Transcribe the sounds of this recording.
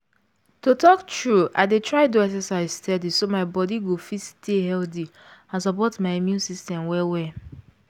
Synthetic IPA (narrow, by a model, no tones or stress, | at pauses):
totɔktɹua̰ɪdetɹaɪtoɛksɛsaɪzstɛdisomaɪbɔdiɡofitstʰehɛldi | ãnsɔpɔtmaɪimjũnsistɛ̃mwɛwɛ